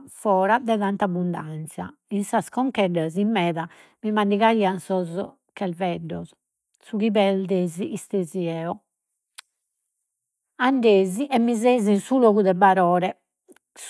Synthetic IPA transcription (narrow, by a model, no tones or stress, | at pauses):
fɔːɾad̪ɛðant̪abund̪ant̪sja̰ | insaskɔŋkɛɖazimːɛːða | mimanɖiɣaɾiːansɔz | kʰɛlvɛɖːɔs | suɣiβɛld̪eːziʔist̪eziɛːɔ | aɳɖeːziʔɛmːizezinsuloːɣuðɛbaɾɔːɾɛ | s